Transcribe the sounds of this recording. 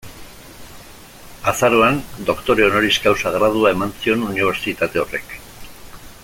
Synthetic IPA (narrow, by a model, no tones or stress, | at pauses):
asaɾo̞and̪o̞kt̪o̞ɾeono̞ɾiskawsaɣɾað̞uae̞mansio̞nuniβ̞e̞ɾt͡ʃit̪at̪e̞o̞re̞̰k